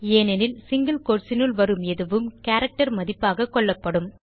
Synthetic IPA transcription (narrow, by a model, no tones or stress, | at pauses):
eːnɛnɪlsɪŋɡɐlkoːɾsɪnɯɭʋɐɾɯmɛðɯʋɯmkaːɾɐk̚ʈɐɾmɐðɪpːaːɣɐkːɔɭːɐpːɐɽɯm